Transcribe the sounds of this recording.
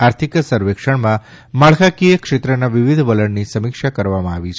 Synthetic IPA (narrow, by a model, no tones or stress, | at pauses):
aɾt̪ʰiksəɾʋekʂəɳmã | maɭkʰakijəkʂet̪ɾənaʋiʋid̪ʱʋələɳnisəmikʃakəɾʋamãaʋit͡ʃʰ